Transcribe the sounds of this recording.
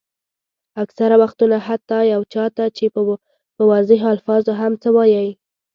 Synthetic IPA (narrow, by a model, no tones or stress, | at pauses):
aksaɾawaxt̪unahat̪ːɑjawt͡ʃɑt̪at͡ʃe | pəwɑzɪɦalfɑzoɦamt͡səwɑjəj